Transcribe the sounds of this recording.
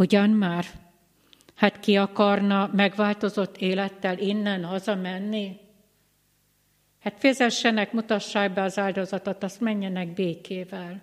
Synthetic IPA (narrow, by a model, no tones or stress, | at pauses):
uɟɒnmaːr | hat̪kiɒkɒrnɒmɛɡʋaːlt̪o̞zo̞t̪ːeːlɛt̪ːɛlinːɛnhɒzɒmɛnːi | haːt̪fɛzɛʃːɛnɛkmut̪ɒʃːaːɡ̚bɛɒzaːld̪o̞zɒt̪o̞t̪ɒst̪mɛɲːɛnɛɡ̚beːkʰeːvɛl